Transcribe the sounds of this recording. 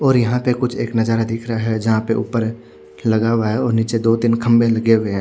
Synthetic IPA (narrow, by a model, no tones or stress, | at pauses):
ɔːɾjɐɦãpekʊt͡ʃʰeːknɐzaːɾad̪ɪkʰɾaɦɛd͡ʒɐɦãpeʔṵːpəɾ | lɐɡaːʋaɦɛɔːɾniːt͡ʃed̪oːd̪ɪnkʰɐ̃mbelɐɡeweɦɛ̃ː